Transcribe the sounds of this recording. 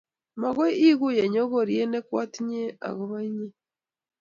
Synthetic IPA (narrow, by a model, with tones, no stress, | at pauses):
ma˨ɣe˦ʔi˦ɣu˦˨je˨ɲo˦ɣo˨ɾie˦ne˦kwaː˦ti˦ɲe˦a̰˨ɣo˨βa˦ɲe˦